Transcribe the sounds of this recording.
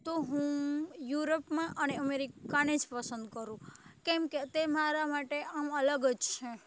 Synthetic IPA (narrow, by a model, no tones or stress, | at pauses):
t̪oɦũjuɾopmãʔəneəmeɾikaned͡ʒpəsə̃nd̪̚kəɾũkemket̪emaɾamaʈeamələɡəd͡ʒt͡ʃʰẽ